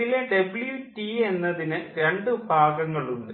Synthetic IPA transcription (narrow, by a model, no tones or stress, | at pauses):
ileɖebɭjutie̞nːɐðinɨɾeɳɖɨbʱaːɡɐŋːɐɭuɳɖɨ